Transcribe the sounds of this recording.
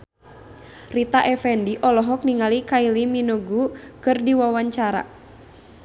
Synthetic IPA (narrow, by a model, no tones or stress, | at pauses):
rit̪aʔɛfɛndiʔɔlɔɦɔk̚niŋalikailiminoɡukɨrdiwawaɲt͡ʃaɾa̰